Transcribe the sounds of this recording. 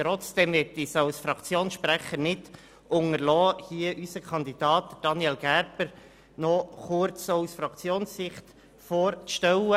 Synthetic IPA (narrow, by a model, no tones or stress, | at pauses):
tɾɔt͡sd̥ɛmʋɛtisawsfɾɑkt͡sjoːnsʃpɾæχəɾnɪd | ʔʊŋəɾlɔːhiəʔysəkʰɑnd̪id̥ɑːt̚dəd̥ɑnjɛlɡæɾpəɾ | nɔχʊɾt͡soʊsfɾɑkt͡sjoːnsːɪχt̪ | foːɾt͡sʃtɛwə